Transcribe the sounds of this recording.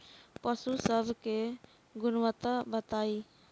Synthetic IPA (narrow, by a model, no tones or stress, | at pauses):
pəsusəbʱke | ɡʊnʋət̪abət̪aːi